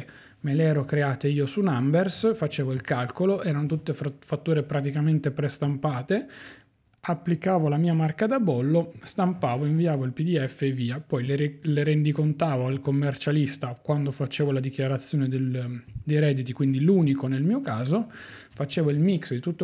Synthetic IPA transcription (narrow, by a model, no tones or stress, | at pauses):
meleɛːɾokɾeaːt̪eiːosunambersfat͡ʃeːvoilkalkoloʔɛːɾanot̪ut̪ːefat̪ːuːɾepɾat̪̬ikament̪epɾest̪ampaːt̪e | apːlikaːvolamiːamarkad̪abɔlːost̪ampaːvoiɱviaːvoilpid̪iɛfːeviːapɔjleɾleɾend̪ikont̪aːvoalkomːert͡ʃalist̪akwand̪ofat͡ʃeːvolad̪ikjaɾat̪sːjoːned̪eld̪ejɾɛd̪ːit̪ikwind̪iluːnikonelmiːokaːzo | fat͡ʃeːvoilmiksd̪it̪ut̪ːo